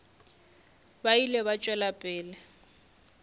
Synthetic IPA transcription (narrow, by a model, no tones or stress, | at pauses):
bailɛβat͡ʃʼwɛlapʼɪːlɛ